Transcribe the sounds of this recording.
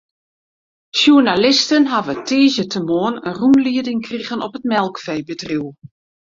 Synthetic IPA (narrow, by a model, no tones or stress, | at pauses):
sjunalɪstənɦavətʰeːzətʰəmoənənrumliədɪŋkriɣənɔpətmɛlˠkfɛjbətriw